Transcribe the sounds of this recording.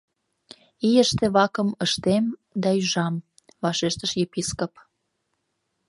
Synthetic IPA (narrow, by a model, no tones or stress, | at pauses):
ijəʃt̪ĕβɑkəməʃt̪emd̪ɑyʒɑm | βɑʃeʃt̪əʃjepiskop